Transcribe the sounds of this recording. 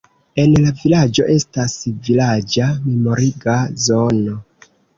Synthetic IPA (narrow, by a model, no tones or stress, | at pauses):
e̞nlavilad͡ʒo̞ʔe̞stasvilad͡ʒame̞mo̞ɾiɡazo̞no̞